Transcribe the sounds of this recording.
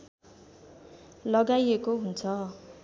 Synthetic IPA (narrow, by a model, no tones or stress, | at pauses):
lʌɡaiekoɦunt͡sʰʌ